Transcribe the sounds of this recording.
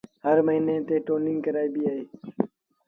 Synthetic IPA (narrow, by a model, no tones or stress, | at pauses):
həɾməɦiːnẽːt̪eːʈoːnɪ̃ŋɡkəɾaːiːbiːaːɦeː